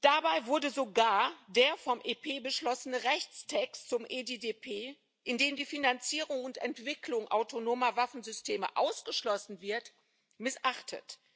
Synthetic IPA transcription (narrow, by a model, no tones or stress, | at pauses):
d̥abaɪvʊɐdəzoɡaːɐdeːɐfɔmʔeːpʰeːbəʃlɔsənəʁɛçt͡stʰɛkstt͡sʊmʔeːdeːdeːpʰeː | ʔɪndeːmdiːfinant͡siːʁʊŋʊntɛntv̥ɪkʰlʊŋʔa̰ʊtʰonoːmɐvafn̩zʏstʰeːmə̰ʔaʊsɡ̥əʃlɔsn̩vɪɐt | mɪsʔaχtʰə̰t